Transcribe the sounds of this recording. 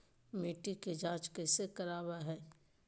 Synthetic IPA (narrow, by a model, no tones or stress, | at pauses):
miːʈiked͡ʒãːt͡ʃkesekɐɾaːbaɦɛː